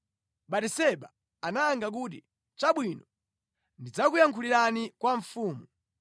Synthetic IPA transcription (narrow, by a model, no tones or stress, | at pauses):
ɓatisɛɓa | anaːŋɡak̬uːt̬ḭ | t͡ʃaɓwinɔ | ndid͡zakujaŋkʰuliɾanikwaɱfuːmu